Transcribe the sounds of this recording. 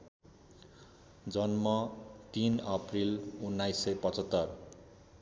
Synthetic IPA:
d͡zʌnmʌt̪inʌprilunːajsːʌjpʌt͡sʌt̪ːʌr

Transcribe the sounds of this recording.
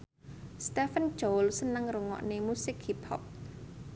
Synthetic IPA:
st̪ɛfən̥d͡ʒolsənəŋruŋɔ̰ʔnemusɪkhiphɔ̰p̚

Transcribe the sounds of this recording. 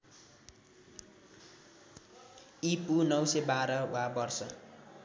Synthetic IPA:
ipunʌwsebaɾʌwabʌrsʌ

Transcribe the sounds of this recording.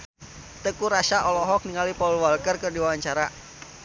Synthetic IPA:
t̪əkuɾaʃaʔɔlɔɦɔk̚niŋalipaulwalkərkərdiwawaɲt͡ʃaɾa

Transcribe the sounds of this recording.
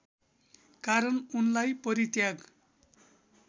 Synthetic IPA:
kaɾʌnunlajpʌɾit̪jaɡ

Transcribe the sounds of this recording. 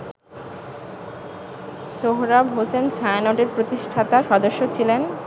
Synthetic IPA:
ʃoɦɾabɦosent͡ɕʰaenoɖeɾpɾot̪iʃʈʰat̪aʃɔd̪oʃːot͡ɕʰilen

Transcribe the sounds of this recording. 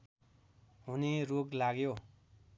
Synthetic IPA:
ɦuniroklaɡjo

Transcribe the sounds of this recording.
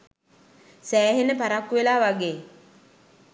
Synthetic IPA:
sæːɦenːəpaɾakːuʋelaːʋaɡeː

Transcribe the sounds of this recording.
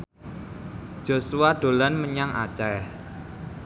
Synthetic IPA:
ʒ̥o̤suad̥o̤lanməɲaŋʔa̰t͡ʃɛ

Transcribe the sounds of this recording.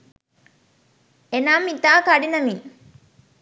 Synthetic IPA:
enaːmːit̪aːkaɖinɐmi

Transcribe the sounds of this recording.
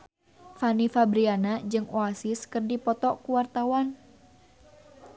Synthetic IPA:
fanifabɾianad͡ʒɨŋoasiskɨrdipɔt̪ɔkuwart̪awan

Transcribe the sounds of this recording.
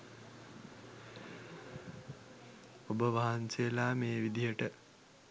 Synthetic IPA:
obəʋaɦansejelaːmeːʋid̪ijəʈə

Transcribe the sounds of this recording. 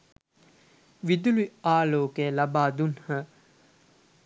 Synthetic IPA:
ʋid̪uliaːloːkelabaːd̪unhə

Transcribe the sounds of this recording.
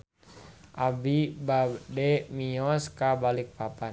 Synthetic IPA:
ʔabibadɛmiɔskabalik̚papan

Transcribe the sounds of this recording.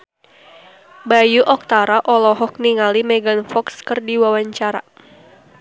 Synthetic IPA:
bajuʔɔk̚t̪aɾaʔɔlɔɦɔk̚niŋalimɛɡanfɔkskɨrdiwawaɲt͡ʃaɾa

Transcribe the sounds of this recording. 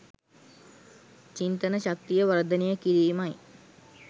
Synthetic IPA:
t͡ɕint̪ənəɕak̚t̪ijəʋɐɾd̪ənejəkiɾiːmaj

